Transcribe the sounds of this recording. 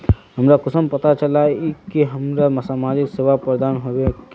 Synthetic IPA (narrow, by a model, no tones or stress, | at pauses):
ɦɐmɾakʊsəmpɐt̪at͡ʃɐlaikiɦɐmɾamɐsamaːd͡ʒɪkseːʋapɾəd̪aːnɦoek